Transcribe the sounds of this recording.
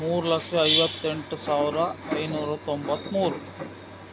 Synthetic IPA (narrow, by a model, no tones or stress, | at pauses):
muːɾlɐkɐjʋɐt̪ːeɳʈsawɾaejnoɾɐt̪ɔmbɐt̪muːɾ